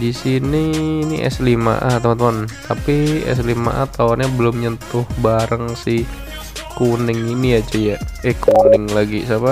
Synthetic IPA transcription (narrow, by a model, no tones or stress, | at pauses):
disiniːniʔɛ̰slima̰ʔat̪əmant̪əmant̪ʰapiɛ̰s̬lima̰ʔa̰t̪aanɲabəlʊmɲənt̪ʊhbaɾʔəŋsɪh | kunɪŋiniat͡ʃəjaɛkunɪŋlaɡisapa